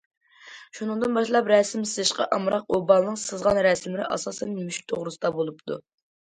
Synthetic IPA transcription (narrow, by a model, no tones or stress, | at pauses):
ʃunɨŋd̪ɨnbɑʃlˠɑpɾɛsɪmsɨzɨʃqɑ̰ʔɑmɾɑq̚obɑlˠnːɨŋqsɨzʁɑnɾɛsmlɪɾɪ̰ʔɑ̰sɑːsɛnjmyʃ̚t̪ʰoʁɾɨsɨd̪ɑbolˠupt̪ʰṵ